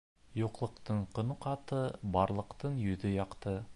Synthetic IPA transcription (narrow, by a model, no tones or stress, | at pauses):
joqlˠɤ̆qt̪ɤɴqŏnəqɑt̪ɤbɑɾlˠɤ̆qt̪ɤɴjɵ̆ðɘjɑqt̪ɤ